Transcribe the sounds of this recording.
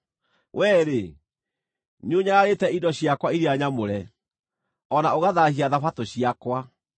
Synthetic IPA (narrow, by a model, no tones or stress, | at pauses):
wʔɛːɾe | neoɲaɾaɾetɛidɔɕiakwaiɾeaɲamoɾɛ | ɔnaoɣaðahiaðafatoɕiakwa